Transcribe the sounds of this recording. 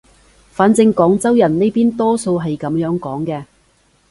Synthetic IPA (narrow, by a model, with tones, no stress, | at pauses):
faː˨˥nt͡sɪ˧ŋkɔː˨˥ŋt͡sɐ˥wjɐ˨˩nne˥jpiː˥nt̪ɔː˥so˧wɦɐ˨jkɐ˨˥mjœː˨˥ŋkɔː˨˥ŋkɛː˧